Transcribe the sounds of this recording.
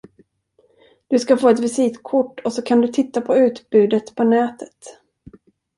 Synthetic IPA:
d̪̥ɵskafoːɛt̪vɪsiːt̪kʰʊʈːɔsɔkʰand̪ɵt̪ʰɪt̪ːapʰɔʉ̟ːt̪bʉ̟ːd̪ət̪pʰɔnɛːt̪ʰə̥t̪

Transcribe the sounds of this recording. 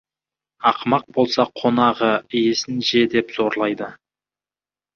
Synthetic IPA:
ɑqmɑq̚bo̞lˠsɑqʰːo̞nɑʁəɪje̞sɪnʒe̞d̪e̞pz̥o̞ɾlˠɑjd̪ə

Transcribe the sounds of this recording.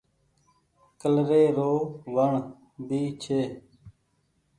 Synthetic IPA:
kəlɾeːɾoːʋəɳ | biːt͡ʃʰeː

